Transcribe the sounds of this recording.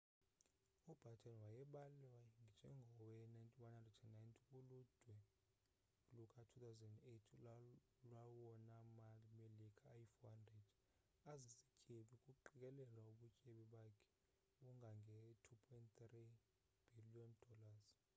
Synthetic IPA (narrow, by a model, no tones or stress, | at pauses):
ub̥ʱatʰʼɛnwajɛɓalɛwaŋʱid͡ʒʱɛŋɡʱɔwɛnajntʼiwanhandrɛdɛnnajntʰʼikulud̥ʱwɛ | lukʼatʰut̪ʰawzɛndetʰ | lwawɔnamalimelikʰʼaːjifɔhandred̥ | azisi̥cʼeɓikʼuǃik̬ʼɛlɛlwauɓucʼeɓiɓakʰɛ̥ | uŋɡʱaŋɡʱɛtʰupʰɔjntt̪ri | b̥ʱiliɔnd̥ʱɔlaz